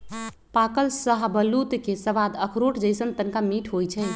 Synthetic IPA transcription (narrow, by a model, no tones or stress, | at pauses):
pakəlsəɦbəlːut̪kesəʋad̪əkʰɾoʈd͡ʒəjsənt̪ənkamiʈʰɦojt͡ʃʰɛ